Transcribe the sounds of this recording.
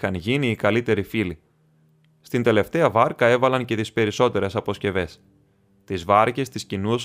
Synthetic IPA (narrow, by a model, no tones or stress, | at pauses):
ɐnʝiniːkɐlit̪e̞ɾifili | st̪ind̪e̞le̞ft̪e̞ɐvɐɾkɐe̞vɐlɐnce̞t̪ispe̞ɾiso̞t̪e̞ɾe̞sɐpo̞sce̞ve̞s | t̪izvɐɾce̞st̪iscinus